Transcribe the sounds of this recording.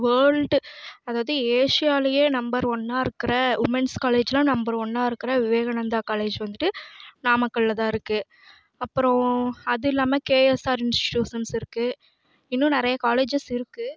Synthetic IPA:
ʋɐːɾɭɖɯɐðaːʋɐðɯeːʂɪjaːlɐjeːnɐmbɐɾʋɔnːaːɪɾɯkːɪɾɐʋɪmɛnskaːleːd͡ʒɪlãnɐmbɐɾʋɔnːaːɪɾɯkːɪɾɐʋɪʋeːɣɐɳɐnd̪aːkaːleːd͡ʒʋɐnd̪ɯʈːɯnaːmɐkːɐɭɪlɐt̪ãːɪɾɯkːɯ | ɐpːɯɾɔ̃ɐðɯɪlːaːmekeːɛsaːɾɪnsʈɪʈjuːʂɐnsɪɾɯkːɯ | ɪnːʊ̃nɪɾɐjɐkaːleːd͡ʒɐsɪɾɯkːɯ

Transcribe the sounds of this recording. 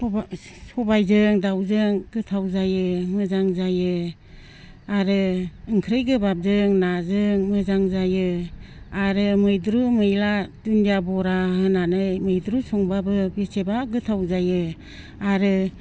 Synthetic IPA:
sɔbajzɯŋdawzɯŋɡɯtʰawzajɯmɯzaŋzajɯ | aɾɯɯŋkʰɾɯjɡɯbap̚zɯŋnazɯŋmɯzaŋzajɯ | aɾɯmɯjdɾumɯjlatundijabɔɾahɯnanɯjmɯjdɾusɔŋbabɯbesebaɡɯtʰawzajɯ | aɾɯ

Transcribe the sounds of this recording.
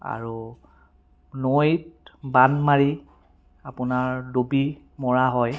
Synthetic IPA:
a̰ɹu | nojt̚banmaɹi | apʊnaɹdobi | mɔɹaɦɔj

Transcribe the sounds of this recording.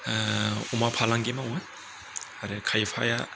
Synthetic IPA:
umapʰalaŋɡimawa | aɾɛkʰajpʰa̰ja

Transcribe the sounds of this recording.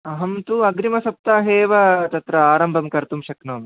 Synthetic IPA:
ɐɦɐmt̪uɐɡɾimɐsɐp̚t̪aːɦeːʋɐt̪ɐt̪ɾɐaːɾɐmbʱɐmkɐɾt̪umʃɐknoːm

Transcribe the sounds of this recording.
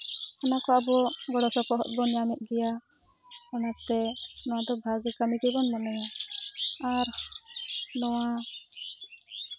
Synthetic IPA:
ɔnakɔabɔɡɔɽɔsɔpɔɦɔʔ̪̚bɔnjaniʔ̪̚ˀɡɛja | ɔnak̚t̪ɛnɔwad̪ɔbʱaɡɛkamikibɔnmanɛja | aɾ | nɔwa

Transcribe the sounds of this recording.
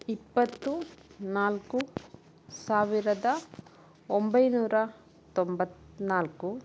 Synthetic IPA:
ipːɐt̪ːunaːlku | saːʋiɾɐd̪ɐ | ombɐjnuːɾɐ | t̪ombɐt̪ːnaːlku

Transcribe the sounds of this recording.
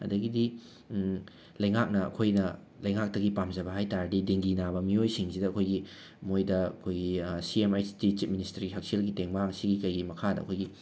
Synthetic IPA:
ɐ̰dɐɡidi | lɐjŋak̚nɐɐ̰kʰojnɐ | lɐjŋak̚tɐɡipamzɐbɐɦajtaɾdideŋɡinaβɐmiojsiŋsidɐɐkʰojɡi | mojdɐɐkʰojɡisiemajsi̥tit͡ʃit̚ministɐɾɡiɦak̚selɡiteŋmaaŋsiɡikɐjɡimɐkʰadɐ̰ɐ̰kʰojɡi

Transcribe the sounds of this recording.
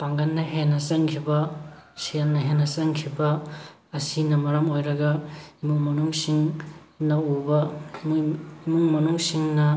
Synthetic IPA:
paŋɡɐnːɐɦenɐsɐŋkʰibɐsijanːɐɦenɐsɐŋkʰibɐ | ɐsinɐmɐɾɐmojɾɐɡɐimuŋmɐnuŋsiŋ | nɐubɐ | imuŋmɐnuŋsiŋnɐ

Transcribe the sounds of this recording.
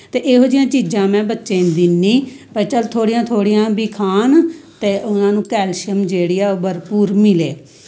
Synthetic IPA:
t̪eːʔeːɦoːd͡ʒɪjãːt͡ʃiːd͡ʒãːmɛ̃ːbətːʃẽːnd̪inːĩː | pəɾt͡ʃəlt̪ʰoːɽɪjãːt̪ʰoːɽɪjãːbiːkʰaːnt̪eːʔʊnãːnũːkɛːlʃəmd͡ʒeːɽijaːbəɾpuːɾmɪleː

